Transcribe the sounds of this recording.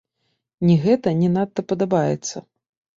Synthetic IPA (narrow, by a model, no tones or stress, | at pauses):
nʲiɣɛt̪ɐnʲɛnat̪ːɐpɐd̪abajɛt̪sːɐ